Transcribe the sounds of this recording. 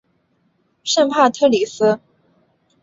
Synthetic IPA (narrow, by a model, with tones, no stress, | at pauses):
ʂə˥˧pʰa˥˩t̪ʰɤ˥˩li˨˩s̩˥